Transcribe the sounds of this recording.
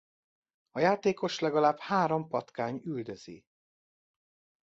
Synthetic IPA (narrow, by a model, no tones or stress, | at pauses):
ɒjaːt̪eːko̞ʃlɛɡɒlaːbhaːɾo̞mpɒt̪kaːɲyld̪øz̥ḭ